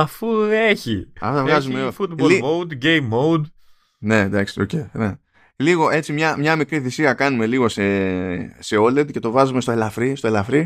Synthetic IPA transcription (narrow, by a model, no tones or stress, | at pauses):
ɐfueçiɐ̰fot̪ɐvɣɣɐzumefut̪boliod̪ɟejmːowd̪ | ne̞nd̪ɐksi̥o̞cene | liɣo̞ʔe̞t͡simɲɐmɲɐmikɾiθisiɐkɐnume̞liɣo̞se | se̞oled̪ce̞t̪o̞vɐzumest̪oelɐfɾist̪o̞e̞lɐfɾi